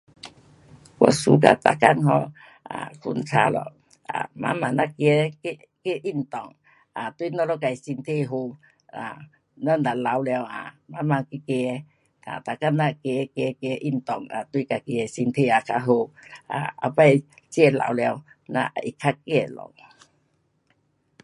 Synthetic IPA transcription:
kwɔ̰˧˨su˧˦ka̰˧t̪a̰˨ka̰˧˨nɦɔ˧ | a̰˨kʰu˧˨nt͡sʰa̰˧˦lɔ̰˨ | ʔa̰˨mã̰˧˦mã˨nã˧ke˧˦ke˧˦ | ke˦ʔi˦˧˨nt̪ɔ˨˩˨ŋ | a˨t̪wi˧˨˦nɔ˦lɔ˧˦ka˨i˨si˧nt̪ʰe˧˨ɦo˧ | a˨ | nɔ˦n˨d̪a˨la˨˦wla˧wa̰˨mã˧˦ma˧ki˧˦ke˧ | a̰˨t̪a˨ka˧˨nːã˦˧ke˧ke˧ke˧˦ʔi˧˩nt̪ɔ˨˩ŋa̰˨t̪wi˧˦ka˧˩ki˧˨e˨si˧nt̪ʰe˧˨a˨kʰa˧ɦo˧a̰˨a̰˧˩pa˧j | t͡ɕjɛ˧˨la̰˧˨wlja˧w | nã̰˧ʔʔi˨kʰa˦kɛ˦˧˨lɔ̰˨ŋ

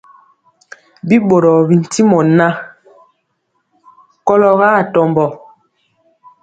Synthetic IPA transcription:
bi˦ɓo˨ɾɔ˨bi˨n̩˨ti˦mɔ˨na˦ | kɔ˦lɔ˦ɣa˦˨tɔ˦˨mbɔ˨

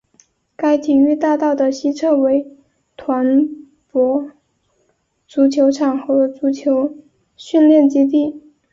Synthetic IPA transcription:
ka˥ɪt̪ʰi˨˩y˥˧t̪a˥˧t̪ɑ˥˩ʊd̪ə˩ɕi˥t͡sʰɤ˥˩we˧˥ɪ | t̪ʰwa˧˥n | pwɔ˧˥ | t͡su˧˥t͡ɕʰjo˧˥ʊʈ͡ʂʰɑ˨˩ŋxɤ˧˥t͡su˧˥t͡ɕʰjo˧˥ʊ | ɕy˥˧nljɛ˥˩nt͡ɕi˥t̪̬i˥˩

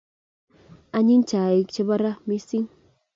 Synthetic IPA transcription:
a˧ɲi˦nt͡ʃa˨i˦kt͡ʃa˦βa˦ɾa˦mi˦si˦ŋ

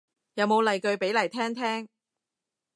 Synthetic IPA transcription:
jɐ˨˧wmo˨˧wlɐ˨jkɵ˧ɥpe˨˥jlɐ˨˩jt̪ʰɛː˥ŋt̪ʰɛː˥ŋ

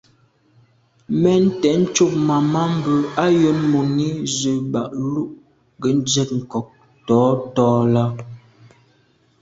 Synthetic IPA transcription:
mɛ˦n̩˦tɛ˨˦n̩˦t͡ʃu˦p̚ma˨ma˦m̩˦bə˨a˦jo˦nmo˨ni˦zə˨ba˨ʔlu˦ʔ | ɡə˨˦n̩˦d͡ʒɛ˦˨t̚ŋ̩˨kɔ˨k̚ | tɔː˨˦tɔː˦la˦

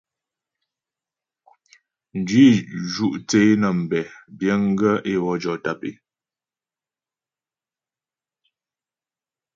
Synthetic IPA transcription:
n̩˨dɥi˦d͡ʒu˦ʔt͡se˨˦nə˨m̩˨bɛ˨bjə˦ŋ˦ɡə˦ʔe˦wɔ˦d͡ʒɔ˨ta˦pḛ˦˨

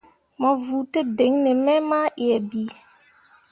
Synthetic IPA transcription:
mɔ˨vu˨te˦de˨˦ŋne˨mɛ˦ma˦ʔi˨ɛ˨bi˨˦

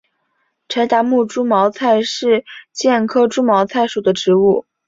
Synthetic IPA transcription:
ʈ͡ʂʰa˧˥ɪt̪a˧˥mu˥˩ʈ͡ʂu˥mɑ˧˥ʊt͡sʰa˥˧ɪʂɻ̩˥˧t͡ɕjɛ˥˩nkʰɤ˥ʈ͡ʂu˥mɑ˧˥ʊt͡sʰa˥˩ɪʂu˨˩d̪ə˦ʈ͡ʂɻ̩˧˥u˥˩

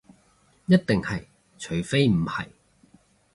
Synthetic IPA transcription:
jɐ˥t̚t̪ɪ˨ŋhɐ˨j | t͡ʃʰɵ˨˥ɥfe˥jm̩˨˩hɐ̰˨˩j

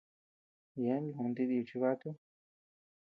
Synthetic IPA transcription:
je˨˦lũ˨˧nd̪i˧d̪i˧u˨t͡ʃi˧βa˦t̪u˦

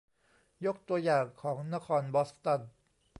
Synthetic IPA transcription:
jo˦˥k̚t̪u˧ɐjaː˨˩ŋkʰɔː˩˦ŋna˦˥kʰɔː˧nbɔ˦˥st̪ɔ˦˥˩n

